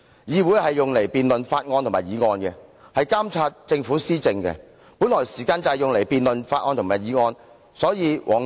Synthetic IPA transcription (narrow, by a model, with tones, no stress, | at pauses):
jiː˨˧wuː˨˥jhɐ˨jːʊ˨ŋle˨˩jpiː˨nlɵ˨nfaː˧t̚ŋɔː˧nt̪ʰʊ˨˩maː˨˩jiː˨˧ŋɔː˧nkɛ˧ | hɐ˨jkaː˥mt͡sʰaː˧t̚t͡sɪ˧ŋfuː˨˥siː˥t͡sɪ˧ŋkɛ̰˧ | puː˨˥nlɔː˨˩jsiː˨˩kaː˧nt͡sɐ˨hɛ˨jʊ˨ŋle˨˩jpiː˨nlɵ˨nfaː˧t̚ŋɔː˧nt̪ʰʊ˨˩maː˨˩jiː˨˧ŋɔː˧n | sɔː˨˥jiː˨˧wʔɔː˨ŋ